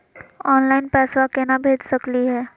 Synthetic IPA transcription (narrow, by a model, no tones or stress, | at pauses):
ɔːnlaːɪnpɛːswakenabʱeːd͡ʒsɐkliɦɛː